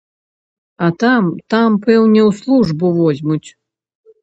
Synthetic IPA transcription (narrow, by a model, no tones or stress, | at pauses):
at̪amt̪ampɛwnʲɛwslˠuʐbuvɔzʲmut͡sʲ